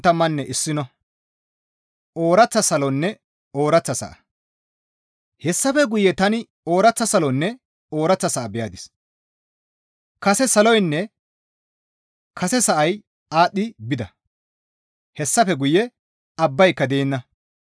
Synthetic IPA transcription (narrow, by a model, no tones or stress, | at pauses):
t̪ːɐmːɐnːɛʔɪsːɪnɔ | oːɾɐt͡sːɐsɐlɔnːɛ | oːɾɐt͡sːɐsɐ̰ʔɐ | hɛsːɐfɛɡʊjːɛt̪ɐnɪ | o̞ːɾɐt͡sːɐsɐlɔnːɛ | o̞ːɾɐt͡sːɐsɐʔɐbɛjaːd̪ɪs | kɐsɛsɐlɔjnːɛ | kʰɐsɛsɐʔɐj | aːɗɪbɪd̪ɐ | hɛsːɐfɛɡʊjɛ | ɐbːɐjkːɐd̪eːnːɐ